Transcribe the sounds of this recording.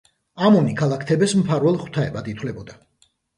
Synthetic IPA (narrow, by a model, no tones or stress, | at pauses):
amɔnikʰalˠakʰt̪ʰɛbɛsmpʰaɾwɛlˠχwt̪ʰaɛbad̪it̪ʰwlɛbɔd̪a